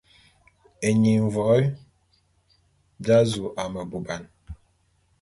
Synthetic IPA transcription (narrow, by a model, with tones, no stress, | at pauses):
e˨ɲi˨ɱ˨vɔ˨˦ | d͡ʒa˦zu˨ʔa˨mə˨bu˨ba˨n